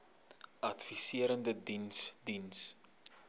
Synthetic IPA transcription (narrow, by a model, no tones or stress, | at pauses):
ɐtfisiəɾəndədinsdins